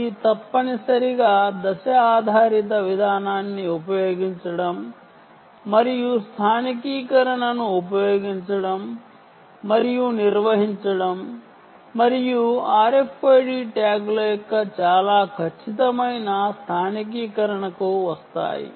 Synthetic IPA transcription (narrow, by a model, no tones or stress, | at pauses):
iːt̪ɐpːɐnisɐɾiɡaːd̪ɐʃɐaːd̪ʱaːɾit̪̬ɐʋid̪ʱaːnaːnːiupɐjoːɡiɲt͡ʃɐɽɐmː | ɐɾijust̪ʰaːnikiːkɐɾɐɳɐnuːpɐjoːɡiɲt͡ʃɐɽɐmː | ɐɾijuniɾʋɐɦiɲt͡ʃɐɽɐmː | ɐɾijuaːɾe̞pʰːɐjɖiːʈaːɡlɐjɔkːɐt͡ʃaːlaːkʰɐt͡ʃʰit̪ɐmɐjnɐst̪ʰaːnik̬iːkɐɾɐɳɐkuʋɐst̪a̰ːjḭ